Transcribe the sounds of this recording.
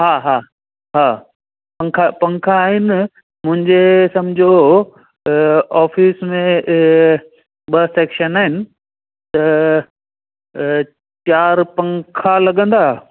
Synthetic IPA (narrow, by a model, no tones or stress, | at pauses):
ɦaːɦaː | ɦaː | pɐ̃ŋkʰapɐ̃ŋkʰaːɦɪnɪ | mʊ̃ɦɪ̃ɲd͡ʑesɐmd͡ʑʱo | aːfiːsmẽ | ɓɐseːkʃənaːɦɪnɪ̆ | t̪ɐ | t͡ɕaːɾpɐ̃ŋkʰalɐɠə̃nd̪aː